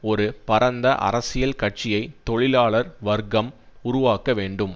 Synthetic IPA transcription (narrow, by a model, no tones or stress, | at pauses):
ɔɾɯpɐɾɐnd̪ɐʔɐ̰ɾɐsɪjɐlkɐʈ̚t͡ʃɪjɐɪt̪ːɔɻɪlaːɭɐɾʋɐɾɡɐm | ʊɾʊʋaːkɐʋeːɳɖɯm